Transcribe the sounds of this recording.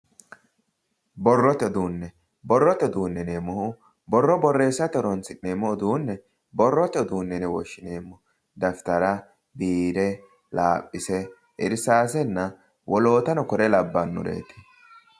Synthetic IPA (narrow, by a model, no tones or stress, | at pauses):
bɔrːɔt̪ɪɔd̪uːnːɛ | bɔrːɔt̪ɪɔd̪uːnːɛneːmːɔhʊ | bɔrːɔbɔrːe̞ːsːɐt̪ɔɾɔnsɪneːmːɔɔd̪uːnːɛ | bɔrːɔt̪ɛɔd̪uːnːɛnɛwɔ̰ʃːɪneːmːɔ | d̪ɐft̪ɐɾɐ | biːɾɛ | laːpʼːɪsɛ | ʔɪɾsaːsɛnːɐ | wɔlo̞ːt̪ɐnɔkɔɾɛlɐbːanːʊ̰ɾḛːt̪ɪ̥